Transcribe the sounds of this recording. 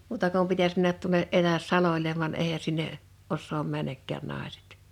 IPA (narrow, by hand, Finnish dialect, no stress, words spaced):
muːtɑ kum pitæs mænːæt tuo̥neʔ ʔetæs sɑlolʲeʋ ʋɑn eˑihæ sinːe osːoːm mænːækːæːn nɑˑese̥t